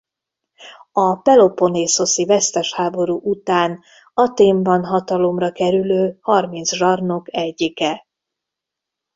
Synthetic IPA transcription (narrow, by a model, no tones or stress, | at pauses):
ɒpɛlo̞po̞neːso̞sivɛst̪ɛʃhaːbo̞ɾuʔut̪aːn | ɒt̪eːmbɒnɦɒt̪ɒlo̞mrɒkɛɾyløːhɒrmint̪sʒɒrno̞kɛɟːikɛ